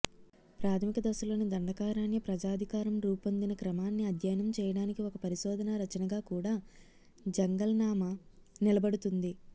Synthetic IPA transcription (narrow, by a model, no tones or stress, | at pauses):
pɾaːt̪ʰɐmikɐd̪ɐsulo̞ːnid̪ɐɳɖɐkaːɾaːnjɐpɾɐd͡ʒaːd̪ʱikaːɾɐmɾuːpɐnd̪inɐkɾɐmaːnːiɐd̪ʱjɐjɐnɐmt͡ʃɛːjɐɽaːnikiɔkɐpɐɾiʃɔːd̪ʱɐnɐɾɐt͡ʃɐnɐɡaːkuːɽaː | d͡ʒɐŋɡɐlnaːmɐnilɐbɐɽut̪und̪i